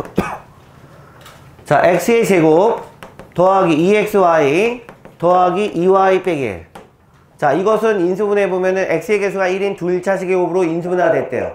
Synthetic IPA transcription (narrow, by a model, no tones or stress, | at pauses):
t͡ɕaʔek̚s͈ɯed͡ʑe̞ɡop̚tʌaɡiːe̞k̚s͈ɯwaitʌaɡiʔiwaip͈eɡḛ | t͡ɕaiɡʌsʰɯnins̬ʰɯbune̞bomjʌnɯnʔek̚s͈ɯeɡesʰuɡaiɾintuiɭt͡ɕʰaɕʰiɡeɡobɯɾoinsʰɯbunadwet͈e̞̰jo̰